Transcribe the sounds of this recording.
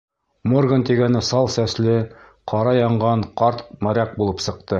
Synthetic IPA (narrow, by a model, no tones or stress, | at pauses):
morɡənt̪iɡænɘsɑlˠsæslɘ | qʰɑɾɑjɑɴɢɑɴqɑɾt̪mæɾæk̚bulˠɤpsɤ̆q̚t̪ɤ